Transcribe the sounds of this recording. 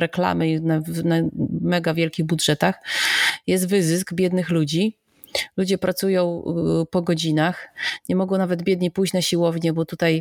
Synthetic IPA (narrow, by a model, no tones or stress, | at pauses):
ɾɛkla̰mɘnanamɛɡavʲjɛlkʲiɣbudʐɛt̪axjɛs̬t̪vɘzɘs̬ɡbʲjɛd̪nɘxlud͡ʑi | lud͡ʑɛpɾʔat̪sujɔ̃w̃pɔɡɔd͡ʑinaxɲɛmɔɡɔ̃w̃navɛd̪bʲjɛd̪ɲipujt͡ɕnaɕiwɔvɲɛbɔt̪ut̪aj